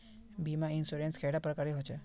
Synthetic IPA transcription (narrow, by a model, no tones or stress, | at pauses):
bimãinsuɾenskʰɛɽapɾəkaɾeɦot͡ʃʰe